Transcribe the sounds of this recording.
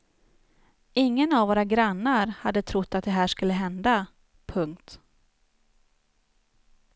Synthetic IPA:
ʔɪŋːənavoːɾaɡɾanːaɾhad̪ːət̪ʰɾʊt̪ːat̪̚d̪ɛɦæːʂkɵlːəɦɛnd̪a | pʰɵŋkt̪

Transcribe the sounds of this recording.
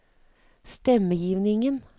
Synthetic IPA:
st̪ɛməjiːʋnɪŋən

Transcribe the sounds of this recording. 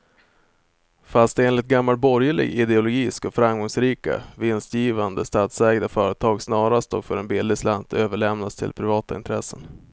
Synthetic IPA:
fast̪eːnlɪt̪̚ɡamːal̚bɔɾjəɭɪ̰ɡɪd̪ɛʊlʊɡiːskɔfɾamɡɔŋsɾiːka̰vɪnst̪jiːvand̪əst̪aːt̪sɛːɡd̪afœːɾət̪ʰɑːɡsnɑːɾast̪ɔ̰ɡfœɾɛnbɪld̪ɪsland̪øːvəɭɛmnast̪ʰɪ̰lpʰɾɪvɑːt̪aɪnt̪ʰɾɛsːən

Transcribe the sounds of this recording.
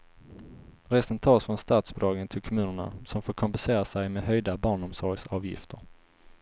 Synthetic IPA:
ɾɛst̪ənt̪ʰɑːsfɾɔnst̪ɑːt̪sbʊd̪ɑːɡənt̪ʰɪlkʰɔmʉ̟ːnəɳa̰sɔmfoːɾkʰɔmpɛnseːɾasɛjmɛɦœjd̪abɑːɳɔmsɔɾɡsɑːvjɪ̰ft̪ʰəɾ

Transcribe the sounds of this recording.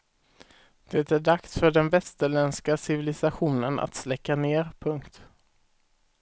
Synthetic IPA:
d̪̥ɛt̪æɖaksfœɖɛnvɛst̪əɭɛnskasɪvɪlɪsaɧuːnəna̰t̪slɛkːaneːɾpʰɵŋkt̪

